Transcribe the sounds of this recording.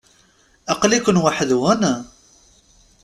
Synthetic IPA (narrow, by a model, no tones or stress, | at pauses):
ɑqlikʷənwaħəðwæna